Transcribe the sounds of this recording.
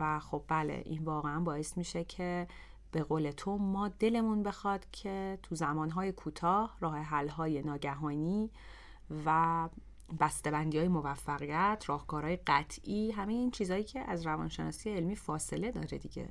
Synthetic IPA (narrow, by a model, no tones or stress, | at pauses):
væxo̞b̚ːælḛʔḭnvɒːɣeænbɒːe̞st̪miːʃecʰe | b̥e̞ɣoːle̞t̪ʰo̞mɒːd̪e̞le̞munbe̞xɒd̪̥cʰe̞t̪ʰuzæmɒːnɦɒːje̞kʰuːt̪ʰɒːhrɒːhe̞ɦælɦɒːje̞nɒːɟæɦɒːniː | væ | bæst̪ebænd̪iɒːjemo̞væfːæɣijæt̪ʰrɒːhkɒːɾɒːjeɢæt̪ʰʔiːɦæmejeiːnt͡ʃʰiːzɒːjiːcʰe̞ʔæzɾævɒ̰ːnʃe̞nɒːsiːjeelmiːfɒːse̞le̞d̪ɒ̰ːɾed̪iɟḛ